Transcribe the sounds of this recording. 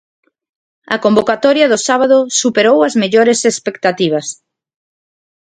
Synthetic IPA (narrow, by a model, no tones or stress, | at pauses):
ɐ̰kombokat̪ɔɾjɐðʊsaβaðʊsupeɾowɐzmeʎɔɾesespek̚t̪at̪iβ̞ɐs